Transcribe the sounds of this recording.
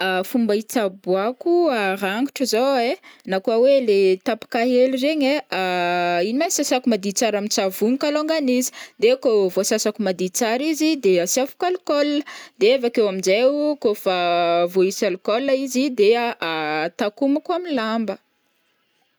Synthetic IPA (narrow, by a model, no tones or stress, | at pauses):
afumbait͡sabuakuaɾaŋɡuʈ͡ʂəzowenakuawelet̪apḁkaɦelureɲeainimasasakumad̪it͡saɾamint͡savuɲikaloŋɡanizi̥d̪ekovosasakumad̪it͡saɾizid̪easiafu̥kalukɔlnəd̪̥eevakewamizewkofavoisalukɔlːaizid̪eaʔat̪akumakuaminlambə